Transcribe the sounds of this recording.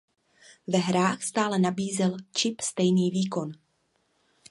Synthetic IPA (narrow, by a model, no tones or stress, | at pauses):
vɛɦɾaːxst̪aːlɛnabiːzɛlt͡ʃɪpst̪ɛjniːviːko̞n